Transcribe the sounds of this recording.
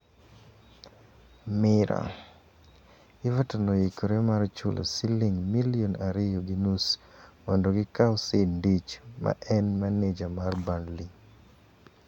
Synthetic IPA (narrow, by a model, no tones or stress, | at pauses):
mɪɾa̰ | ɪvatanojikɾemaɾt͡ʃʊ̰lʔo̰silɪŋmiljonaɾɪjoɡinusmɔndoɡɪkaɔsɪndit͡ʃma̰ʔɛnmaned͡ʒamarbanli